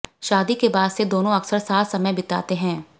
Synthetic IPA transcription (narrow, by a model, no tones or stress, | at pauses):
ʃaːd̪ikebaːd̪sed̪oːnõɐksəɾsaːsɐməjbɪt̪a̰ːt̪eɦɛ̃ː